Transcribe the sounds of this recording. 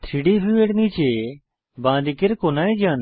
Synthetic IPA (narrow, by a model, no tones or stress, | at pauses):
t̪ʰiɽiːɦuiʋeɽniːt͡ʃeː | bãːd̪ikɪɾkoːnaːẽd͡ʒãːn